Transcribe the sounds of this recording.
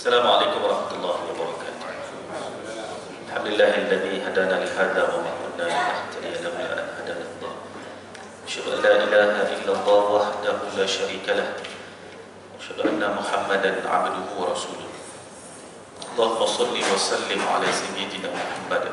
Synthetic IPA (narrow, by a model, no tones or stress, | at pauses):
ʔasːalaːmʕaleːkʊmɑɾˤɑħmat̪ʊlˤːɑːhɪwɑbɑɾˤɑkaːt̪ʊ̥ | ʔalħamd̪ɪlːaːhʔɪlːaðiːɦad̪aːnalɪhaːðawamɪnkʊd̪naːmɪʔaht̪ad̪ɪjalahna̰ːʔa̰nhad̪aːlɪlːɑ̰ː | ʔaʃhad̪ʊʔa̰nlaːʔɪlaːhaʔɪlːalˤːɑːwaħd̪ahʊlaːʃaɾiːkalah | waʔaʃhad̪ʊʔa̰nːamʊħamːad̪anʕa̰bd̪ʊhʊwɑɾˤɑsuːlʊh | ʔɑlˤːɑːhʊmɑsˤɑlːiwɑsˤɑlːɪmʕa̰laːsajːɪd̪naːmʊħamːad̪